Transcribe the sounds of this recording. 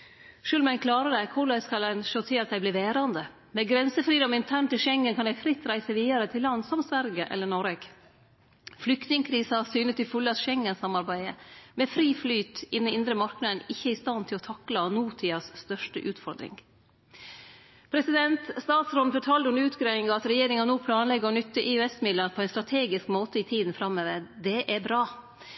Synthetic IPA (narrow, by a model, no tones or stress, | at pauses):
ʃʉːlmɛnkʰlɑːɾəd̪æɪkʰʊɖæɪskɑld̪ɛnʃoːt̪ʰɪlɑt̪̚d̪æɪbliːʋeːɾɑnd̪ə | mɛɡɾɛnsəfɾiːd̪ɔmɪnt̪ʰæɳʈ̪ɪlʃɛŋːənkʰɑnd̪æɪfɾɪt̪ːɾæɪsəʋiːəɾət̪ʰɪlːɑnːsɔmsʋæɾɡəʔɛ̰lːəɳɔɾeːɡ | flʏkt̪nɪŋkʰɾiːsɑsyːnət̪ɪfʉlːəɑt̪ʃɛŋːənsɑmɑɾbæɪəmeːfɾiːflyːt̪ɪd̪ənɪnd̪ɾəmɑɾknɑd̪ənɪçːəæɾɪst̪ɑnt̪ʰɪlɔt̪ʰɑklɑnuːt̪ʰiːɑsst̪œʂʈəʔʉːt̪fɔɾd̪ɾɪ̰ŋ | pʰɾɛsɪd̪ɛnt̪st̪ɑːt̪sɾɔnəfɔʈʰɑːld̪ʉnʉːt̪ɡɾeːɪŋɑɑt̪ɾɛjeːɾɪŋɑnuːpʰlɑːnlɛɡːəɔnʏt̪ːəʔɪɛsmɪd̪ənpʰɔɛɪnst̪ɾɑt̪ʰeːɡɪskmoːt̪əɪːt̪ʰiːd̪n̩fɾɑmːøːʋəɾd̪ɛʔæbɾɑː